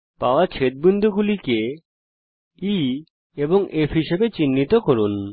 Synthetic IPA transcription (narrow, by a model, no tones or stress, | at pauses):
paoat͡ɕʰet̪̚bind̪ʱuɡulike | i | eboŋʔefɦiʃebet͡ɕinːit̪okoɾun